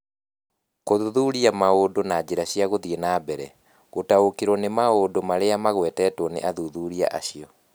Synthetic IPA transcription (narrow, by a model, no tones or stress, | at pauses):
koðuðuɾiamaodonad͡ʑeɾaɕijaɣoðienaːbɛɾɛ | ɣotaokeɾɔnemaodomaɾeamaɣwɛtɛtwɔnḛʔaðuðuɾia̰ʔaɕiɔ